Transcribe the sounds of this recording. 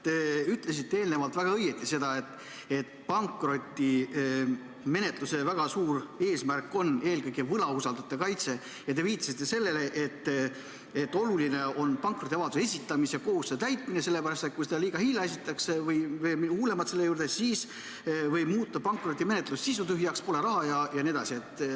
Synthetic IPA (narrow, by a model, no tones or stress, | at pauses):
t̪eyt̪ˑle̞s̬it̪ːeeːlne̞vɑlt̪væɡ̥ɑɤjːe̞t̪ːˑise̞d̪̥ɑe̞t̪ːˑ | et̪pɑŋkro̞t̪ʲːˑi | me̞ne̞t̪ˑluse̞væɡ̥ɑsuːɾe̞ːsmærkːˑo̞ne̞ːlkɯjɡ̥evɤlɑusɑld̪ut̪ːˑekɑjt̪se̞ | jɑt̪e̞viːt̪ːˑɑsit̪ːese̞lːe̞le̞ʔet̪ː | e̞t̪ːˑo̞luline̞o̞npɑŋkro̞t̪ʲːiɑvɑd̪u̥se̞sʲit̪ːˑɑmisjɑko̞husːet̪æjt̪mine̞se̞lːe̞pæɾɑst̪et̪kujsed̪ɑliːɡ̥ɑhilːɑes̬it̪ːˑɑksevɤjvemihuːle̞mɑt̪se̞lːejuːrd̪esiːs | vɤjbmuːt̪ːˑɑpɑŋkro̞t̪ʲːime̞ne̞t̪ˑlussisut̪yɦjɑkspo̞le̞ɾɑɦɑjɑjɑnied̪ɑsie̞t̪ː